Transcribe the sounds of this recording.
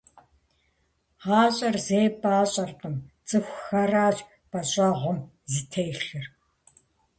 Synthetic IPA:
ʁɑːɕʼɐrzeːpaːɕʼɐrqəm | t͡sʼɨxʷxɐraːt͡ɕ | b̥ɐɕʼaːʁʷɔm | zitʰejɬɨr

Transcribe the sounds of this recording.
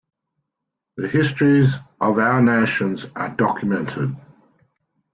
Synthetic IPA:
ðəhɪstɹ̥izʔəvaʊəneɪʃə̃nzʔədɒkʰjəmɛ̃ntʰɪd̥

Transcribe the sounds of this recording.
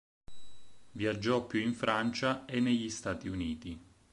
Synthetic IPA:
vjad͡ʒːɔpːjuiɱfɾant͡ʃaenːeʎːist̪aːt̪iuniːt̪i

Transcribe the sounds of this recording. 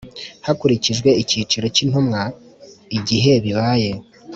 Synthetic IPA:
hakuɾiciʒɡwe̞iciːt͡ʃiɾo̞cin̥humŋaiɟiɦe̞βiβaːje̞

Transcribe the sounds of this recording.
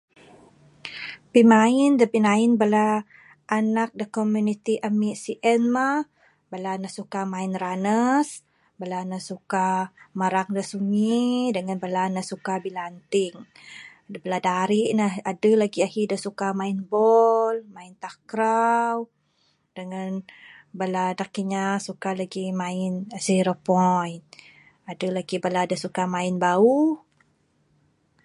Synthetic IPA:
pimaɪndəpinaɪnbəla | ʔːnak̚dəkomjunit̪iʔamiʔsiʔɛnma | bəlanəhsukamaɪnranəs | bəlanəsukaməɾaŋdəsuŋidəŋanbəlanəsukabilant̪ɪŋ | bəladaɾiʔnahadəlaɡiahidəsukamainbɔlmaɪnt̪akɾaw | dəŋanbəladakiɲasukalaɡimãɪnasiɾəpɔjn | adəlaɡibəladəsukamãɪnbauh

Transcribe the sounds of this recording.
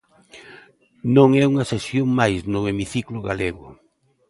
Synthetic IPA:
nõŋɛuŋɐsesjoŋmajsnʊemiθiklʊɣaleɣʊ̰

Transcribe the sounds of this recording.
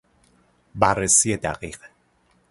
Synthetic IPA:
baresied̪a̰qiq

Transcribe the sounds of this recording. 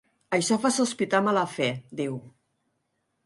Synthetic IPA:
əʃɔfasuspit̪amaləfɛd̪iw

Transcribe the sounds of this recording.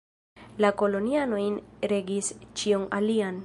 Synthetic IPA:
lako̞lo̞niano̞jnɾe̞ɡist͡ʃionalian

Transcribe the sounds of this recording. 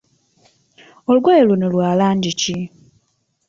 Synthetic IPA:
olweːlunolwaːlanɟici

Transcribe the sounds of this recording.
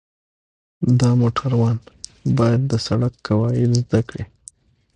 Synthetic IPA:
d̪ɑmoʈʰaɾwɑnbɑjad̪̚ːəsaɽakːawɑjɪlzd̪akɽe

